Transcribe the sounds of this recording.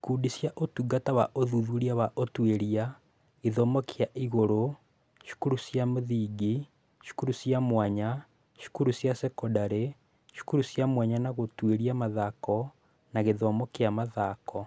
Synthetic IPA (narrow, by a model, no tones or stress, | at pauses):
kudisjaʔotuɡatawaʔoðuðuɾiawaʔotweɾia | eðɔmɔkʰeaʔiɣoɾo | ʃu̥kuɾusjamoðiːɡi | ʃu̥kuɾusjamwaɲa | ʃu̥kuɾusjasɛkɔdaɾe | ʃu̥kuɾusjamwaɲanaɣotweɾiamaðakɔ | naɣeðɔmɔkeamaðakɔ